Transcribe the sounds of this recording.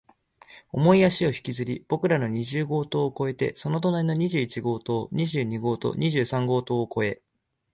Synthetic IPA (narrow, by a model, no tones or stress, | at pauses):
o̞mo̞iaɕio̞çi̥kʲizɨɾʲib̥o̞kɯ̟ɾano̞ɲ̟iʑɨːɡo̞ːt̪o̞ːko̞e̞t̪e̞̰so̞no̞t̪o̞naɾʲino̞ɲ̟iʑɨːit͡ɕiɡo̞ːt̪o̞ːɲ̟iʑɨːɲ̟iɡo̞ːt̪o̰ɲ̟iʑɨːsãŋɡo̞ːt̪o̞ːko̞e̞